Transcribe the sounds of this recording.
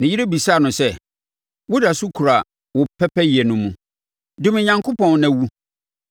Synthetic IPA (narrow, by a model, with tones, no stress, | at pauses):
nɪ̃˨ji˦ɾe˦bi˨saː˦˨nʊ̃˨sɛ˦ | wʊ˦da˨su˦kʰu˨ɾa˨ | wʊ˨pʰɛ˦pʰɛ˦ji˨ɛ˨nʊ̃˨mũ˨ | dʊ̃˦m˨ɲã˦ŋkʰo˦pʰɔ̃˨n˦næ̃˨wu˦